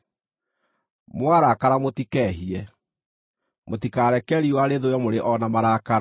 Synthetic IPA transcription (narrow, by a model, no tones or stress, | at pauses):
mwaɾakaɾamotikɛɦiɛ | motikaɾɛkɛɾiwaɾeðoɔmoɾeʔɔnamaɾaːkaɾa